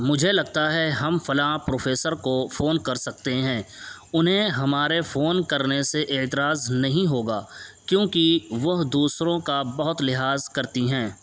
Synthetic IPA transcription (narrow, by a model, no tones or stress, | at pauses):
mʊd͡ʒʱelɐɡ̚t̪aɦɛɦɐmfɐlãːpɾoːfʰeːsəɾkofoːnkɐɾsɐk̚t̪eɦɛ̃ː | ʊnɦẽɦɐmaːɾefoːnkɐɾneseʔɪːt̪ɪɾaːznɐɦĩɦoːɡaːkjõːkiʋɐɦd̪uːsɾõkabɐɦʊt̪lɪɦaːzkɐɾt̪iɦɛ̃ː